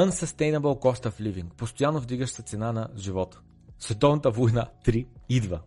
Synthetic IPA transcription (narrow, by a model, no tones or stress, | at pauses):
ənsɐst̪ɛjnɐbɛlˠkɔfst̪əfliviŋk̚post̪ojanːovd̪iɡəʃsɛt̪sɛnanɐʒivɔt̪ə̥ | svɛt̪ɔvnɐt̪əvojnat̪ɾiid̪və